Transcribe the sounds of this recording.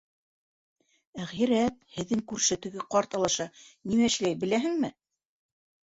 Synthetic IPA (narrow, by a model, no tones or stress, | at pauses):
æʁjĭɾæt̪̚hɘ̆ðːɘŋkʉɾʃæt̪ɘ̆ɡɘqɑɾt̪ɑlˠɑʃɑnimæɘ̆ʃlæjbɘ̆læɦɘ̆ŋmɘ